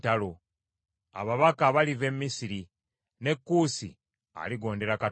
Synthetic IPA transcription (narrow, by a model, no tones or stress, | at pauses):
talo̞ | a̰βaβakaβalive̞mːisiɾi | ne̞kːuːsḭ | a̰liɡo̞ːnde̞ɾaka